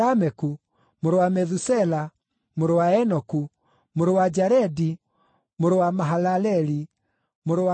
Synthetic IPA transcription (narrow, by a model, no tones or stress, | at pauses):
amɛku | moɾowamɛðusɛla | moɾowaɛnɔku | moɾowad͡ʒaɾɛdi | moɾowamaɦalalɛli | moɾowa